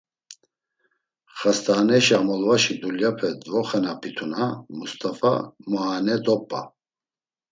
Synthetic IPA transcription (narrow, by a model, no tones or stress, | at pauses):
χast̪ʰʼaːnɛʃamɔlvaʃid̪uljapʰɛd̪vɔχɛnapʰit̪ʰunamust̪ʼafa̰maːnɛd̪ɔpʼːa̰